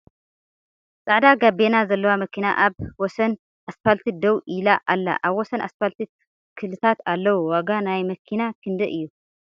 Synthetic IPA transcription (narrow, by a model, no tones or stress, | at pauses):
t͡sʼaʕd̪aɡabenazɐlːɐwamɐkʰina̰ʔaβwɔsɐn | ʔasfalt̪ʰid̪ɐwʔilaʔalːa̰ʔaβwɔsɐna̰sfalt̪ʰi | kʰɨlɨt̪ʰat̪alːɐwuwaɡanajmɐkʰinakʰɨnd̪ɐʔɨjːu